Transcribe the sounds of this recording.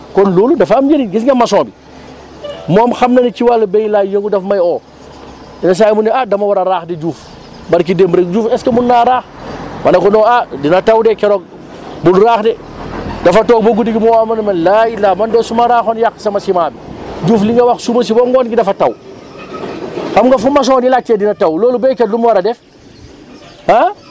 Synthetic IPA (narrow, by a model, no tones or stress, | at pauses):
kɔnloːludɐfamjeniɡisŋɐmɐsɔ̃ːbi | moːmxɐmnɐnikiwalbejlajɐŋɡudɐfmɐjo | inɐs̬ajmundɛadɐmɐwɐɾɐɾaːxded͡ʒuːf | bɐɾk̬idembɾekd͡ʒuːfɛskemunːaɾaːxmɐnɐkɔnɔːadinɐtawdɛkɛɾok̚ | bulɾaːxdɛ | dɐfɐtoːk̚boɡudiɡimuamɐnmɐnlailːamɐndɛsumaɾaːxonjakːsɐmɐsimaːbid͡ʒuːfliŋɡɐwaxsumɐs̬iboŋɡoːnɡidɐfɐtɐw | xɐmŋɡɐfumɐs̬ɔnilak̚tedinɐtawloːlubɛkelumwaɾɐdɛf | ha